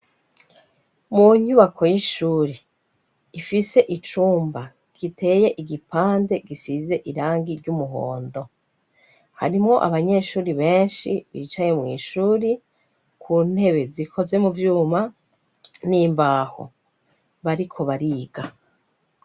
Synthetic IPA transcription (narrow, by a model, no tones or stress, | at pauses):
muɲuβakʰo̞jiʃuːɾe | ifise̞ʔit͡ʃuːmba | ɡ̥ite̞je̞ʔiɡipaːnde̞ɡisize̞ʔiɾaːŋɡiɾɟumuɦo̞̰ːndo̞ | ha̰ɾimŋo̞ʔa̰βaɲe̞ʃuːɾiβe̞ːnʃiβḭːt͡ʃaɲe̞mŋḭːʃuːɾi | kʰuːn̥he̞βe̞zikʰo̞ze̞muvjuːma | niːmbaːho̰ | βaɾikʰo̞βaɾiːɡa